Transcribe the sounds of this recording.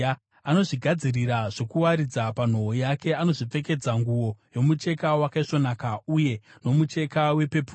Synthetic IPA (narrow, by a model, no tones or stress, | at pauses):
ano̞ʐiɡʱad͡ziriɾaʐo̞kuwaɾid͡zapan̤o̞ojake̞ano̞ʐip͡fe̞ke̞d͡zaŋɡuwo̞jo̞mut͡ʃe̞kawakaiʂo̞nakauje̞no̞mut͡ʃe̞kawe̞pe̞pu